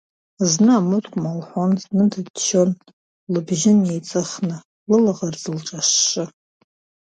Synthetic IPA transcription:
znɨamɨtʰʼkʷʼmalħʷonznɨdʰɨdt͡ʃʰo̞n | lɨbʒɪnjejt͡sʼɨχnɨ | lɨlaʁard͡zɨlʈ͡ʂʼaʂːɨ

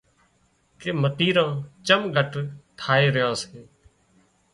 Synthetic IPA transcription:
keːmət̪iːɾãːt͡ʃəmɡʱəʈt̪ʰaːeːɾɪjãːseː

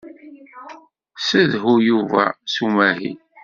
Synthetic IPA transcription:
səðɦujuvæ̰sumæɦḭ

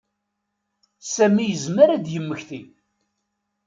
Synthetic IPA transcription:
sæmːijəzməɾæd̪jəmːəçθi

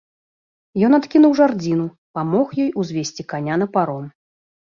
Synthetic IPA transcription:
jɔnat̪kʲinuwʐard͡zʲinu | pamɔxjɔjuzʲvʲesʲt͡sʲikanʲanɐpaɾɔn

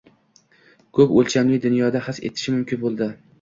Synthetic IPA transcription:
kʰɵpolt͡ʃʰamlɪd̪ʊnjɒd̪ahɪsḛt̪ʰɪ̥ʃɪmʊmkʲʰɪnbolˠd̪ɪ

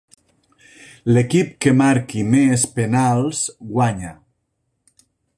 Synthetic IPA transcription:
lekip̚kemaɾkimespenalˠsɡwaɲa

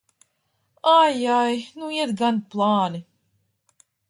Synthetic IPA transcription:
ajajnuiɛt̪ɡan̚plˠɑːni

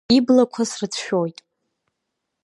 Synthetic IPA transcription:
iblakʷʰasrɨt͡sʰʃᶣojtʼ

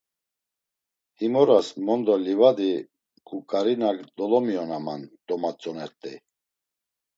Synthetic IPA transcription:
himɔɾasmɔnd̪ɔlivad̪i | kʼukʼaɾinakd̪ɔlɔmiɔnamand̪ɔmat͡sʼɔnɛɾt̪ʼɛ

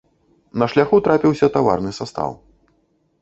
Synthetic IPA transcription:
nɐʂlʲaxut̪ɾapʲiwsʲɐt̪ava̰rnɨsast̪a̰w

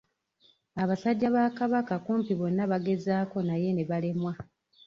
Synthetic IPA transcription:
aβasaɟːaβaːkaβakakuːmpiβo̞nːaβaɡe̞zaːko̞naje̞ne̞βale̞mwa

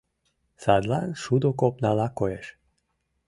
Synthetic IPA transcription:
sad̪lanʃud̪okopnalakojɛʃ

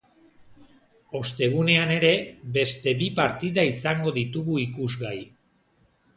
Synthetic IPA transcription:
o̞st̪e̞ɣ̞une̞ane̞ɾe̞βe̞st̪e̞βipaɾt̪iðaisaŋɡo̞ðit̪uɣuikuzɣaj

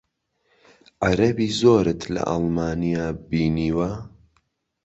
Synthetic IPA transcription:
ʕaɾɐbiːzoːɾɨt̪ʰlɐ̰ʔɑ̰lˠmaːnijaːbiːniːwɐ

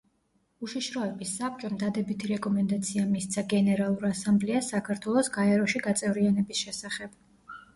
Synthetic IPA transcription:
uʃiʃɾɔɛbisːap̚t͡ʃʼɔmd̪ad̪ɛbit̪ʰiɾɛkʼɔmɛnd̪at̪sʰiamist̪sʰaɡɛnɛɾalˠuɾasamblɛasakʰaɾt̪ʰwɛlˠɔsɡaɛɾɔʃiɡat̪sʼɛvɾianɛbisʃɛsaχɛb̥

